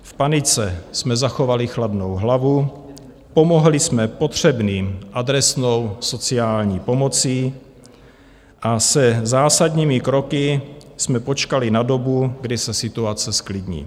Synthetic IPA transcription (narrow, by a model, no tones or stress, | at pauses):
fpanɪt͡sɛsmɛzaxo̞valɪxladno̞wɦlavu | po̞mo̞ɦlɪsmɛpot̪r̝̥ɛbniːmʔad̪ɾɛsno̞wso̞t͡sɪaːlɲiːpo̞mo̞t͡siː | ʔasɛzaːsadɲiːmɪkɾo̞kɪsmɛpo̞t͡ʃkalɪnadobuɡdɪsɛsɪt̪uat͡sɛsklɪd̪ɲḭː